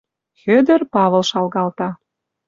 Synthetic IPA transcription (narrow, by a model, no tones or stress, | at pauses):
xød̪ə̆rpɑβə̆lʃɑlɣɑlt̪ɑ